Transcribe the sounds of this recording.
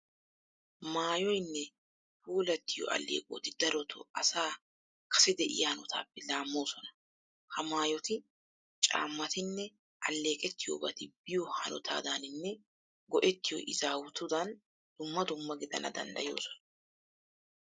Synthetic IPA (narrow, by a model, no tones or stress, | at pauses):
maːjɔjnːɛ | fuːlɐt̪ːɪjɔ̰ʔɐ̰lːḛːkʼo̰ːt̪ɪd̪ɐɾɔt̪ʰo̰ʔɐsaː | kʰɐ̥sɛd̪ɛʔɪ̰jɐhɐnɔt̪ʰa̰ːpːɛlaːmːo̞ːsɔnɐ̥ | hɐmaːjɔt̪ɪ | t͡ʃʼa̰ːmːɐt̪ɪnːɛ | ʔɐlːe̞ːkʼɛt̪ːɪjo̰ːbɐt̪ɪb̥ɪjɔhɐnɔ̰t̪ʰa̰ːd̪aːnɪnːɛ | ɡɔʔɛt̪ːɪjɔ̰ʔɪzaːwʊt̪ʊd̪ɐn | d̪̥ʊmːɐd̪ʊmːɐɡɪd̪ɐ̰nʔɐ̰d̪ɐ̰nd̪ɐ̰jo̞̰ːsɔ̥nɐ